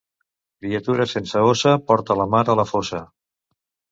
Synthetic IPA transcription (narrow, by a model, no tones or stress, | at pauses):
kɾiət̪uɾəsensəosəpɔɾt̪ələmaɾələfosə